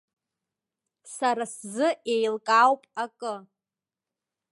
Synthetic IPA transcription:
saɾaszɨe̞jlkʼawpʼakʼɨ

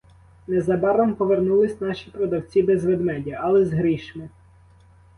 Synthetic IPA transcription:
nɛzɐbɑɾɔmpɔʋernulˠɪsʲnɑʃʲipɾɔd̪ɐwt͡sʲibɛzʋed̪mɛdʲɐʔɐlˠɛzɦɾiʃmɪ

